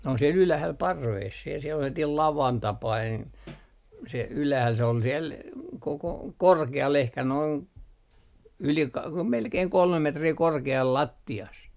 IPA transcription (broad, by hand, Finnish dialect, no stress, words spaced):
n on siel ylæhæl pɑrʋeːs siel selːɑtiːl lɑʋɑn tɑpɑin se ylæhæl se ol siel koko korkeɑl ehkæ noin yli kɑ melkei kolmem metriː korkeɑl lɑtːiɑst